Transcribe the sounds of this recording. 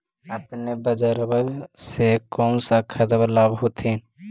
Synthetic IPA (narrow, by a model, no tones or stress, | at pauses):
əpnebəd͡ʒəɾbəsekɔːnsakʰət̪blabɦoːt̪ʰin